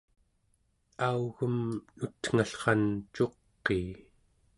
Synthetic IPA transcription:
auɣəmnut̪ŋ̥aɬχɑnt͡ʃo̞qːeː

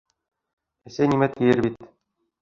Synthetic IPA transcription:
æsʲenʲimæt̪ʲːijɘ̆rbʲit̪

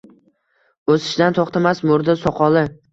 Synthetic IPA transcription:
ɵsɪ̥ʃd̪ant̪ʰoχt̪ʰamasmʊɾd̪asɒqɒlˠɪ

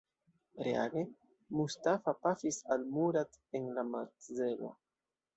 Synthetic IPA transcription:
ɾea̰ɡe | mustafapafisalmuɾat̪ | enlamaɾtzelo̰

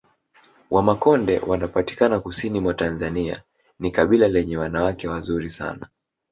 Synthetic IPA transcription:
wʔamakɔndɛ̰wʔanapati̥kanakusinimwatanzania̰ | nikaɓilalɛɲɛwanawakɛwazuɾisa̰na

